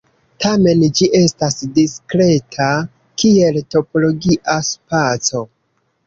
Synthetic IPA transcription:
tame̞nd͡ʒiʔe̞stasdiskɾe̞tʰa | kie̞lto̞po̞lo̞ɡiʔaspat͡so̞

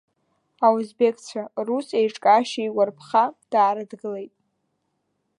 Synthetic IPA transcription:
auzbekʰʼt͡ɕʷʰarusejʈ͡ʂʼkʼaʃejwarpʰχad̥aːɾɨdɡɨle̞jtʼ

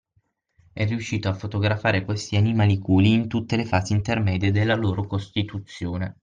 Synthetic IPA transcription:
ɛrːiuʃːiːt̪oafːot̪oɡɾafaːɾekwest̪ianimaːlikuːliːnt̪ut̪ːelefaːziint̪ermɛːd̪ied̪elːaloːɾokost̪it̪ut̪sːjoːne

